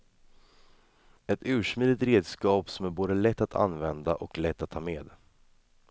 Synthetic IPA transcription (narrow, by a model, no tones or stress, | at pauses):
ɛt̪ʉ̟ːʂmiːd̪ɪt̪ɾeːd̪skɑːpsɔmæɾboːd̪əlɛt̪ːat̪ʰa̰nvɛnd̪aʔɔklɛt̪ːat̪ʰːɑːmeːd̪